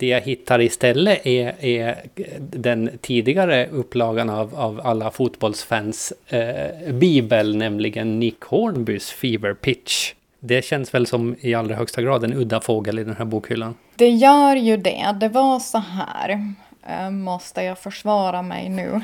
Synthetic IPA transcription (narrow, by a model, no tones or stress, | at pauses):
d̪̥ɛjaɦɪt̪ʰːaɾɪst̪ɛlːəʔɛɛ | d̪ɛnt̪ʰiːd̪ɪɡaɾəɵpːlɑːɡanavavalːafut̪bɔlsfæns | biːbəlnɛmlɪɡənːɪkʰoːɳbʏsfiːvəɾpʰɪt̪ʂ | d̪ɛɕɛnːsvɛlsɔmɪalɾahœkst̪aɡɾɑːd̪ɛnɵd̪ːafoːɡəlɪd̪ɛnhæːɾbuːkhʏlːan | d̪̥ɛjœːɾjɵd̪ɛ̰d̪ɛvasɔɦæ̰ːɾ | mɔst̪əjɑːɡfœʂvɑːɾamɛ̰jnʉ̰ː